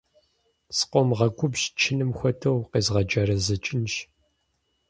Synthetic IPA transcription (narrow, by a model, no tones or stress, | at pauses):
sqʷɔmʁɐɡʷʊbʒt͡ʃʰɪnɨmxʷɔtʰɐwqeːzʁɐd͡ʒɐɾɐzɐt͡ʃʼɪnʃ